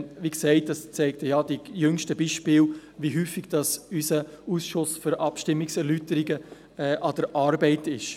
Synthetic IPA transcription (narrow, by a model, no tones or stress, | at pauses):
viksɛɪt̚dɑst͡sɛɪk̚təjɑd̥ijʏŋʃtəbiːʃpɪːlʋiɦyːfːiɡ̥d̥ɑsysə | uːsʃʊsføɾʔɑpʃtɪmːiksɛɾlytəɾiɡə | ɛːʔɑd̥əɾʔɑːɾbɛɪtɪʃ